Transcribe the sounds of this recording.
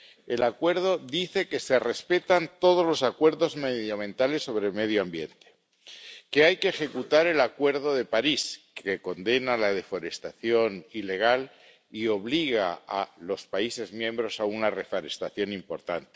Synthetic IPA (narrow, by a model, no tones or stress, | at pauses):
e̞lakwe̞ɾð̞o̞ðiθe̞ke̞se̞re̞spe̞t̪ant̪o̞ð̞ozlo̞sakwe̞ɾðo̞zmeðjamẽ̞nt̪ale̞sːo̞β̞ɾeme̞ðjoambje̞nt̪e̥ | ke̞ajke̞ːxe̞kut̪aɾe̞lakwe̞ɾð̞o̞ðe̞paɾis | ke̞ko̞nd̪e̞nalað̞e̞fo̞ɾe̞st̪aθjo̞nile̞ɣ̞al | io̞βliɣa̰a̰lo̞spaise̞zmjẽ̞mbɾo̞saunare̞foɾe̞st̪aθjo̞nimpo̞ɾt̪a̰nt̪e̥